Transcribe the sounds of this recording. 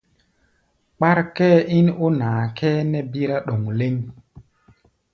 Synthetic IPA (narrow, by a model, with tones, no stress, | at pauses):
k͡pa˦ɾkɛː˦ʔi˦no˦naː˨kʰɛː˦nɛ˦bi˦ɾa˦ɗo˨ŋle˦ŋ